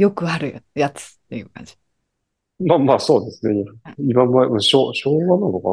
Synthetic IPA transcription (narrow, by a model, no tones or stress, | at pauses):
jo̞kɯ̟aɾɯ̟jat͡sɨ̥t̪ːe̞jɯ̟ːkã̰ɲ̟d͡ʑi̥ | mamaːso̞ːd̪esɨneimãmːamaɕoːɕoːɡananoka